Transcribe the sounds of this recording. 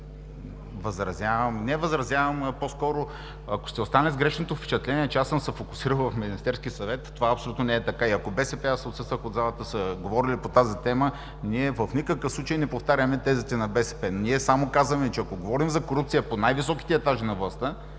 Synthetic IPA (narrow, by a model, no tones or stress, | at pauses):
vəzɾɐzʲjavəmnɛvəzɾɐzʲjavɐmposkɔɾo | ɐko̥st̪ɛost̪anɛzɡɾɛʃnot̪ofpɛ̥t͡ʃɛt̪lɛniɛt͡ʃɛasəmsɛfokʊ̥siɾəlˠvɐfminist̪ɛɾskʲisɐvɛt̪ːovaɐpsolut̪nonɛɛt̪ɐkaiɐkobɛsɛpɛasɛot̪səst̪vəxod̪zalˠət̪əsɐɡovɔɾilipot̪azit̪ɛmə | niɛvəfnikəkəfsˠut͡ʃejnɛpoft̪aɾʲəmɛt̪ɛzit̪ɛnɐbɛsɛ̥pɛnniɛsamokazəmɛt͡ʃɛɐkoɡovɔɾimzɐkoɾup̚t̪sijəponajvisɔki̥t̪ɛɛt̪aʒinɐvlˠɐst̪ə